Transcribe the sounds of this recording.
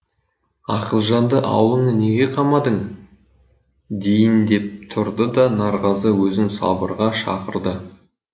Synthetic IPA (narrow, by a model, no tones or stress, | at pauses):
ɑqəlˠʒɑnd̪əʔɑ̰wlˠəɴəne̞ɡʲe̞qʰɑmɑd̪əɴ | d̪e̞jɪnd̪e̞p̚t̪ʰʊɾd̪əd̪ɑnɑɾʁɑzəwɵzɪŋsɑ̰bə̰ɾʁɑʃɑ̰qə̰ɾd̪ə